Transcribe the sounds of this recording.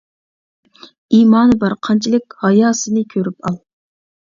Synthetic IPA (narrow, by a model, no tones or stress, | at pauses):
iːmɑːnɨbɑɾqʰɑnt͡ʃʰilˠɪkʲhɑjɑːsɨnɨkʲʰøɾypɑlˠ